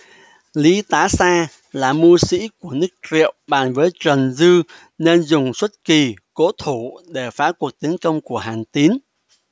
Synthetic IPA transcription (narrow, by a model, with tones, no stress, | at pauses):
li˨˦t̪aː˨˦saː˧ | laː˨˩mu˧sḭ˧˥ku˧˩ənɨ˦˥k̚t͡ɕḭ˧˨əwɓaː˨˩nvəː˨˦jt͡ɕə˨˩nzɨ˧ | ne˧nzʊ˨˩ŋ͡mswə˦˥t̚ki˨˩ko̰˧˥t̪ʰu˧˩ɗe˧˩faː˨˦ku˨˩ək̚t̪i˨˦ənkə˧wŋ͡mku˧˩əɦaː˨˩nt̪i˨˦ən